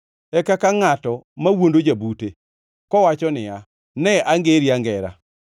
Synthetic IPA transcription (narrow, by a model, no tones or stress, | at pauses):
ɛkakaŋatɔmawondod͡ʒabute | kɔwat͡ʃɔnɪja | nɛaŋɡeɾiaŋɡɛɾa̰